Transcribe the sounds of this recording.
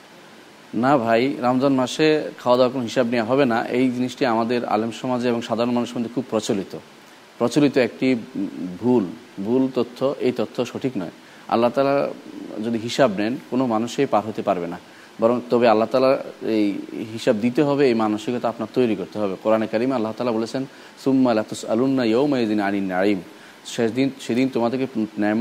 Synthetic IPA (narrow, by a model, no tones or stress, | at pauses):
nabʱajɾamd͡ʑanmaʃekʰaoad̪awakonoɦiʃabnewaɦɔbena̰ʔejd͡ʑiniʃʈiamad̪eɾa̰lemʃɔmad͡ʑeboŋʃad̪ʱaɾonmanuʃmod̪ʱekʰub̚pɾɔt͡ɕolit̪o | pɾɔt͡ɕolit̪oek̚ʈibʱul | bʱult̪ot̪ʰːoʔejt̪ot̪ʰːoʃoʈʰiknɔe | a̰lːat̪alaɾd͡ʑod̪iɦiʃabnɛnkonomanuʃejpaɾɦot̪epaɾbena | bɔɾoŋt̪ɔbealːaɦt̪aːlaɾejɦiʃab̚d̪it̪̬eɦɔbeejmanoʃikot̪aapnaɾt̪ojɾikoɾt̪eɦɔbekoɾanekaɾimalːaɦt̪aːlabolet͡ɕʰen | sumːalat̪usa̰lunːajowmazinaninːaʕim | ʃed̪inʃed̪int̪omad̪eɾkenɛm